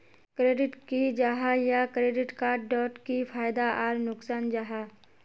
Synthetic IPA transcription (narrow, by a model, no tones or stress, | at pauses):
kɾeːɖɪʈkid͡ʒaːɦajakɾeːɖɪʈkaːɾɖːɔːʈkipʰaːjd̪aaːɾnʊksaːnd͡ʒaːɦa